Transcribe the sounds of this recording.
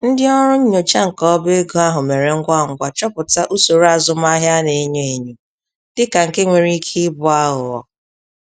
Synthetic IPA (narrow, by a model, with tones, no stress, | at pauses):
n̩˦dɪ˦ɔ˦ɾʊ˦ɲ̩˦ɲo˨t͡ʃa˦ŋ̩˨kɔ˦be˦ɡo˦a˦ɦʊ˨me˨ɾe˨ŋ̩˦ɡʷa˦˨ŋ̩˨ɡʷa˨t͡ʃɔ˦pʊ˨ta˦ʔu˦so˨ɾa˦˨zʊ˦m˦a˦ɦja˦ne˨˦ɲe˦e˨ɲe˨ | d̥ɪ˦ka˨ŋ̩˨ke˦ŋʷe˨ɾi˦kʰi˦bʊ˦a˦ɦʊ˨ɔ̰˨